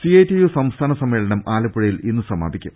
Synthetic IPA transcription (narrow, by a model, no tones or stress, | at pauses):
siejtːijusɐmst̪ʰaːnɐsɐmːe̞ːɭɐɳɐmaːlɐpːuɻɐjilinːɨsɐma̰ːd̪ikʲːum